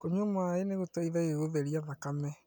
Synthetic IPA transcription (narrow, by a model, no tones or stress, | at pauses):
koɲomoaeneɣotaiðaeɣoðɛɾiaðakamɛ